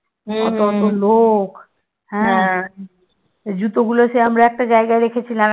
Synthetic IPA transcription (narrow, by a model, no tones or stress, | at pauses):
ɔ̰t̪oɔt̪olok | hɛ̃ | d͡ʑut̪oɡuloseəmɾaɛk̚ʈad͡ʒaeɡaeɾekʰet͡ɕʰila